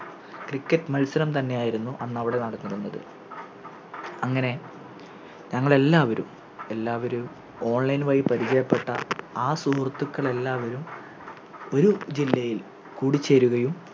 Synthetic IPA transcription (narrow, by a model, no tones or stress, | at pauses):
krikːɐtːmɐlsɐɾɐmt̪ɐnːe̞jaːjiɾunːuʔɐnːɐʋiɽe̞nɐɽɐnːiɾunːɐðɨ̰ | ɐŋːɐne̞ | ɲɐŋːɐɭe̞lːaːʋɐɾṵm | e̞lːaːʋɐɾu | o̞ːɳlɐjnʋaːjipːɐɾit͡ɕɐjɐpːe̞ʈːɐ̰aːsuɦɐrt̪ːukːɐɭe̞lːaːʋɐɾum | o̞ɾud͡ʑilːɐjil | kuːɽit͡ɕːe̞ːɾuɣɐjum